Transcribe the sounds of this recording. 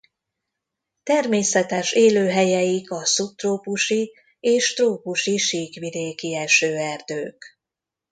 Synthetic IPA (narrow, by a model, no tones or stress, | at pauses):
t̪ɛrmeːsɛt̪ɛʃeːløːɦɛjɛjikɒsup̚t̪roːpuʃi | eːʃt̪roːpuʃiʃiːkʋid̪eːkiɛʃøːɛrd̪øːk